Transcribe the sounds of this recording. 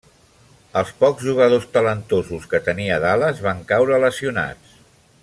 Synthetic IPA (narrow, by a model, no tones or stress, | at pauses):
əlˠspɔɡzʒuɣ̞əð̞ost̪ələnt̪ozuskət̪əniəðaləzβaŋkawɾələsiuna̰t͡s